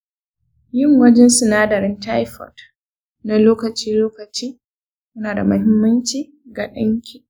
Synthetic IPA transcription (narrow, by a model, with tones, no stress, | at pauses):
jɪ˦˨ŋwɐ˦d͡ʒɛ˦nsɪ˨naː˦dɐ˨ɾɪ˦nta˦jɸɔ̰˨t | na˦loː˦kɐ˨t͡ʃiː˦loː˦kɐ˨t͡ʃiː˦ | jʊ˦naː˨da˨mɐ˦hɪ˦mːɐ˦nt͡ʃiː˨ | ɡa˨ɗɐ̰˦ŋkʲi˨